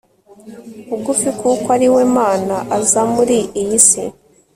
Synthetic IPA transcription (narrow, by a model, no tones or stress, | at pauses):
uɡufikukwaɾiwemaːnaʔazamuɾiijisḭ